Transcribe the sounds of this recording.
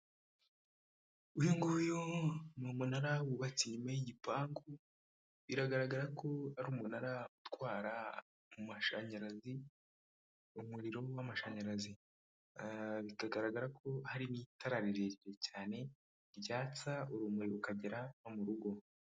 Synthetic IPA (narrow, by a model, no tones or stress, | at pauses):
ujoŋɡujomumunaɾawuβat͡siɲumajiɟipaːŋɡu | βiɾaɡaɾaɡaɾakʰo̞haɾuːmunaɾautwwaːɾa | mumaʃaɲaɾazi | umuɾiɾo̞wamaʃaɲaɾazi | βitaɡaɾaɡaɾakʰo̞haɾinitaɾaɾiɾeɟiɾecaːne̞ | ɾɟaːt͡sauɾuːmuɾiɾoukaɟeɾanomuɾuɡo̞